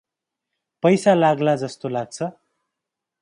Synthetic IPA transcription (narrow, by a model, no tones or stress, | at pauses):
pʌjsalaɡlad͡zʌst̪olaɡ̚t͡sʰʌ